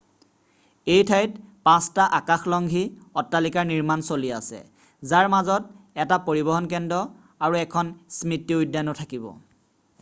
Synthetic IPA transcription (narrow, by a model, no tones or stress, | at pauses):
ejtʰajtpãstaʔakaxlɔŋɡʱiɔtːalikaɹniɹmansoliasɛ̰ | zaɹmazɔt̚ | ɛtapoɹibɔɦɔnk̬ɛndɔ | aɹuɛkʰɔnsmitiujdːanɔtʰakibɔ̰